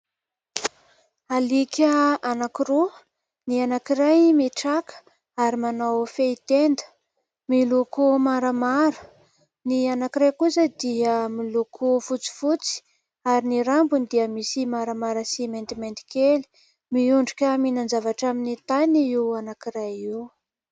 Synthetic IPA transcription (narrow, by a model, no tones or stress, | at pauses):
alikʲəanakiɾu | nianakiɾajmiʈ͡ʂakə̥ | aɾimanawfeit̪end̪ə̥ | milukumaɾəmaɾə̥ | nianakiɾajkusəd̪iəmilukʰufut͡si̥fut͡si̥ | aɾiniɾambunid̪iəmisimaɾamaɾəsiment̪iment̪i̥keli̥ | miuɳɖ͡ʐukʲəminand͡zavaʈ͡ʂaminit̪aniiwanakiɾajiw